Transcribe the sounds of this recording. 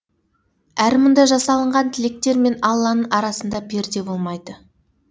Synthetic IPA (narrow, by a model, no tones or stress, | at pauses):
æɾmʊnd̪ɑjʒɑsɑlˠəɴʁɑnt̪ʰɪlek̚t̪e̞ɾme̞nɑlˠːɑnəɴʔɑɾɑsənd̪ɑbe̞ɾd̪e̞bo̞lˠmɑjd̪ə